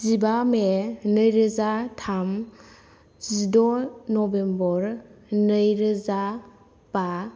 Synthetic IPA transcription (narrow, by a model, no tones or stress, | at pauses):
zibamenɯjɾɯzatʰam | z̥idɔnɔbembɔɾnɯjɾɯza | pa